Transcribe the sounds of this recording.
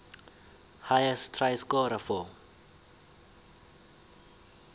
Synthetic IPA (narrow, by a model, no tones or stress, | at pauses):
hajɛstʰrajskɔɾafɔ